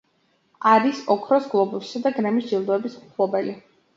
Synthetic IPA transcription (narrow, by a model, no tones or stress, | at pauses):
aɾisɔkʰɾɔsɡlˠɔbusi̥sad̪aɡɾɛmisdd͡ʒilˠd̪ɔɛbisuχʰlˠɔbɛli